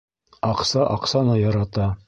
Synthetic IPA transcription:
ɑqsɑʔɑqsɑnɤjɑɾɑt̪ɑ

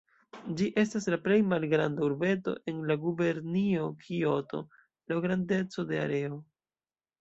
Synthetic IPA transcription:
d͡ʒiʔe̞staslaple̞jmalɡɾandauɾbe̞to̞̰ʔe̞nlaɡube̞ɾniokʰio̞to̞̰ | lawɡɾande̞t͡so̞de̞a̰ɾe̞o

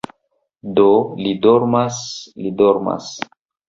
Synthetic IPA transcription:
dolidoɾmaslidoɾma̰s

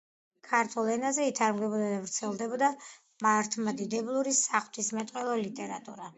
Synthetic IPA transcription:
kʰaɾt̪ʰulˠɛnazɛit̪ʰaɾmɡɛbɔd̪ad̪avɾt̪sʰɛlˠd̪ɛbɔd̪a | maɾt̪ʰmad̪id̪ɛblˠuɾisaχt̪ʰismɛt̪ʼqʼwɛlˠɔlit̪ʼɛɾat̪ʼṵɾa

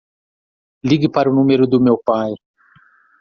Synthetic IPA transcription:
liɡɪpaɾʊnũmeɾʊd̪ʊmewpaj

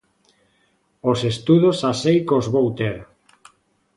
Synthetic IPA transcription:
osest̪uðosasejkozβowt̪eɾ

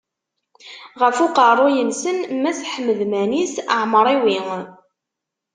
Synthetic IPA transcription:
ʁəfʊqərˤːʊjənsənmæsħəməðmænisəʕməɾˤiwiŋ

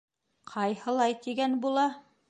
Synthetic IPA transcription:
qʰɑjhɤ̆lˠɑjt̪iɡænbulˠɑ

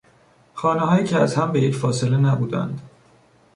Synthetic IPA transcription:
xɒːneɦɒːjiːcʰeæzhæmbe̞jecfɒːse̞le̞næbuːd̪æ̰nd̪̥

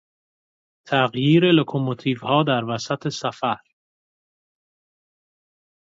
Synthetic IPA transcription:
t̪ʰæɣjiːɾelokʰomot̪ʰiːvhɒːd̪æɾvæsæt̪ʰe̞sæfæɾ

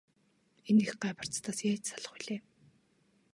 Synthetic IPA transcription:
enixɢaːpə̆r̥t͡st̪ʰaːsjæːt͡ɕsaɮə̆χʊjɮeː

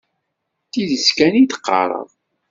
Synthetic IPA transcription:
t̪iðəskænit̪ə̥qːɑ̰ɾˤə̰ðˤ

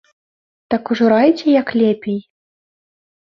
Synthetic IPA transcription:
t̪akuʐuɾajt͡sʲɛjɐklʲɛpʲej

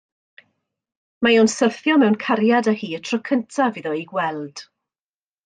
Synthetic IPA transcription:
majɔwnsərθjɔmɛwnkʰaɾjadəhiːətʰrɔkʰəntʰaviðɔiɡwɛlˠd̥

